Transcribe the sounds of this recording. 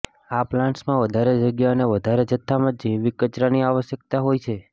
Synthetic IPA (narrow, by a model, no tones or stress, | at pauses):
aplãɳʈsmãʋəd̪ʱaɾed͡ʒəɡjaəneʋəd̪ʱaɾed͡ʒət̪ʰːamãd͡ʒeʋikət͡ʃɾaniaʋəʃjək̚t̪aɦojt͡ʃʰe